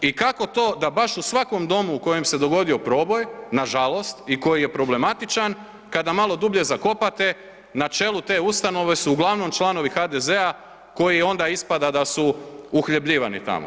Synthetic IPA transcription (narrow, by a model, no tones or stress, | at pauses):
ikako̞t̪o̞ːd̪abaʃusʋako̞md̪o̞muːko̞je̞mse̞d̪o̞ɡo̞d̪io̞pɾo̞ːbo̞jnaʒalˠo̞st̪iko̞jije̞pɾo̞ble̞mat̪it͡ʃan | kad̪amalˠo̞d̪ubʎe̞zako̞pat̪e̞ | nat͡ʃe̞ːlut̪e̞ːust̪ano̞ʋe̞suːɡlˠaʋno̞mt͡ʃlˠano̞ʋixad̪e̞ze̞a | ko̞jio̞nd̪aispad̪ad̪asuuxʎebʎiːʋa̰nḭt̪a̰mo̰